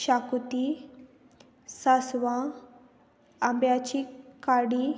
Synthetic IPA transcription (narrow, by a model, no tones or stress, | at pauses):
ɕakut̪i | sasʋã | ambjat͡ɕikaɽi